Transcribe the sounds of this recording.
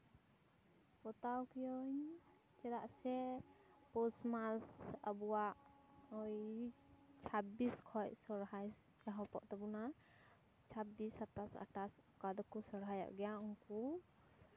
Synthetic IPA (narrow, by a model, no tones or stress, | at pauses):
pɔt̪awkijɔɲ | t͡ʃɛɾaʔsɛ | pɔsmalsa̰buwaʔ | ɔj | t͡ʃʰabiskʰɔcsɔɾɦaj | d͡ʒaɦɔpɔ̰ʔt̪ɔbɔna | t͡ʃʰabisat̪asa̰ʈasɔkad̪ɔkɔsɔɽɦajɔ̰ʔɡɛjauŋku